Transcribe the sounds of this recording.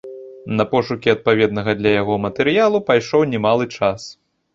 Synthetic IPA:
nɐpɔʂukʲiɐt̪̚pavʲɛd̪nɐɣɐd̪lʲɐjaɣɔmɐt̪ɛɾɨjalˠupajʂɔwnʲɛmalˠɨt͡ʂas

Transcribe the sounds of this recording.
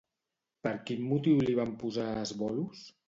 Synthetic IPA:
pəɾkimːut̪iwliβampuzaəzβɔlus

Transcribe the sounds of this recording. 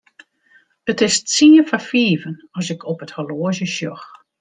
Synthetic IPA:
ətɪstsiəfafiːvənɔsɪkʰɔpəthɔloəzjəʃjɔx

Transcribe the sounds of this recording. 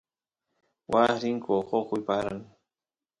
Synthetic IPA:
waɾɪŋkoχokʊjpaɾaŋ

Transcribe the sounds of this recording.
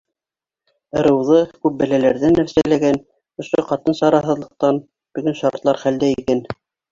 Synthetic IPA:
ɤ̆ɾɤ̆wðɤkʉp̚bæ̆lælæɾðænːæfsælæɡæn | ŏʃoqɑt̪ɤnsɑɾɑɦɤ̆ðlˠɤ̆q̚t̪ɑn | b̥ɵ̆ɡɘnʃɑɾɾt̪lˠɑɾχæld̪æikæn

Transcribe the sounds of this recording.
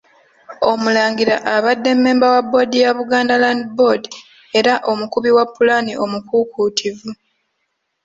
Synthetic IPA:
o̞mulaːŋɡiɾa̰ʔaβadːe̞mːe̞ːmbawabːo̞dijaβuɡaːndalandibo̞di | e̞ɾaʔo̞mukuβiwapːulaniʔo̞mukukuːtʰivu

